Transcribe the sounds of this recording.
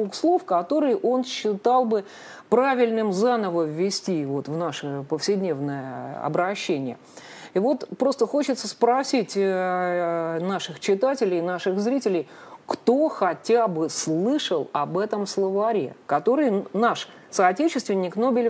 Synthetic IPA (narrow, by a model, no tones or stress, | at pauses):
ukslˠo̞fkɐt̪o̞ɾɨjʔo̞nɕːɪt̪ɑlˠbɨ | pɾavʲɪlʲnɨmzanəvəvʲːɪsʲtʲivo̞t̪vnaʂɨpəfsʲɪdʲnʲe̞vnəjəɐ̰bɾɐɕːenʲɪjə̰ | ivo̞t̪pɾo̞st̪əxo̞t͡ɕɪt̪səspɾɐsʲitʲ | naʂɨxt͡ɕɪt̪atʲɪlʲɪjnaʂɨxzɾʲitʲɪlʲɪj | kt̪o̞xɐtʲabɨslˠɨʂəlˠɐbɛt̪əmslˠəvɐɾʲḛkɐt̪o̞ɾɨjnaʂ | sɐːtʲet͡ɕɪst̪vʲɪnʲːɪkno̞bʲɪlʲ